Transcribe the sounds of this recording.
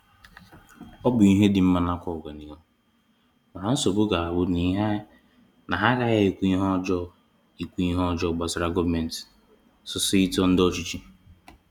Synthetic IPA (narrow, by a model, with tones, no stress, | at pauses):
ɔ˦bʊ˨i˦ɦe˦dɪ˨m̩˦ma˨na˦kʷɔ˦˨ɡa˨ni˨ɔ˦ | ma˨ɦa˦n̩˦so˨bʊ˦ɡa˨a˨bʊ˦ni˨˦ɦa˦ | na˨ɦa˦ɾa˦ja˦e˨kʷi˦ɦɔ˦d͡ʒɔ˦ | i˨kʷi˦i˦ɦɔ˦d͡ʒɔ˦˨ɡ͡ba˨sɾa˦ɡɔ˦vme˨n˨t | sʊ˨si˦i˦tɔ˦n̩˦dɔ˦˨t͡ʃi˦t͡ʃi˦